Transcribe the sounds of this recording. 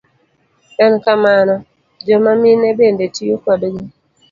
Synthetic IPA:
ɛnkamanɔ | d͡ʒɔmaminebendetijokwadɡɛ

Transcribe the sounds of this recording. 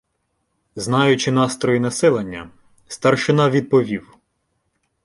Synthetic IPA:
znɑjʊt͡ʃɪnɑst̪ɾɔjinɐsɛlˠɐnʲːɐ̰ | st̪ɐrʃɪnɑʋʲid̪̚pɔʋʲiw

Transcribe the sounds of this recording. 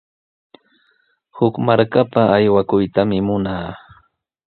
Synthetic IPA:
hʊkmaɾkapaːjwakʊjt̪amɪmʊnaː

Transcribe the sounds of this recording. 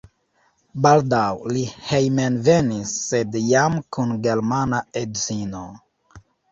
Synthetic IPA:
baldawlihejmenve̞nisːe̞djamkʰunɡe̞ɾmanaedzino̞

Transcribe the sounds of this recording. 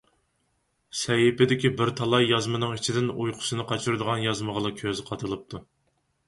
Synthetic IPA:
sɛjipɪd̪ɪkʲibɪɾt̪ʰɑlˠɑjːɑzmɨnɨŋit͡ʃʰid̪ɪnujqʰʊ̥sɨnɨqʰɑt͡ʃʰuɾɨd̪əʁɑnjɑzməʁəlˠɨkʲʰøzqʰɑt̪ʰɨlˠɨp̚t̪ʰu

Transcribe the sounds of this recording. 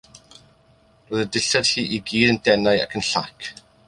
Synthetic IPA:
roːðədɪɬad̥hiːʔiɡiːdəndɛnaɨa̰kʰənɬakʰ

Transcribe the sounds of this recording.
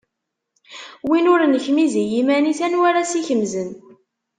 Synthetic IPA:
winʊɾnəçmizijimæniθænwaɾasiçəmzən

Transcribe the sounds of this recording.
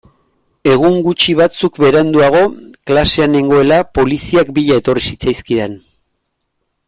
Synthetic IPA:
e̞ɣ̞uŋɡut͡ʃiβ̞at͡sukbe̞ɾand̪uaɣ̞o̞klase̞ane̞ŋɡo̞e̞lapo̞lisiakbiʎae̞t̪o̞risit͡sajskiðe̞n

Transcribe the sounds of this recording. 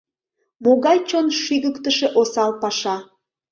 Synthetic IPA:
moɣɑjt͡ɕonʃyɣəkt̪əʃeʔosɑlpɑʃɑ

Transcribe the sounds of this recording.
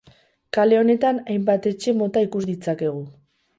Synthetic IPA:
kale̞o̞ne̞t̪anajmbat̪e̞t͡ʃe̞mo̞t̪aikuzd̪it͡sake̞ɣ̞u

